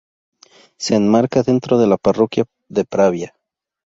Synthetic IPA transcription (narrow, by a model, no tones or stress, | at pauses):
se̞ːnmaɾkaðe̞nt̪ɾo̞ð̞e̞laparo̞kja | ðepɾaβja